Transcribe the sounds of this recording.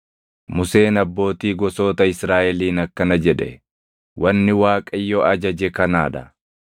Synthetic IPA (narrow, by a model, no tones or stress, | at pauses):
mʊse̞ːnɐbːo̞ːt̪iːɡɔso̞ːt̪ɐɪsɾaːʔɛliːnɐkːɐnɐd͡ʒɛᶑɛ̰ | wʔɐnːɪwaːkʼɐjːɔʔɐd͡ʒɐd͡ʒɛkɐnaːᶑɐ